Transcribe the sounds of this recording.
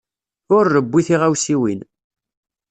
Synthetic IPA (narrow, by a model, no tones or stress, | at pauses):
ʊɾːəbʷːiθiʁæwsiwin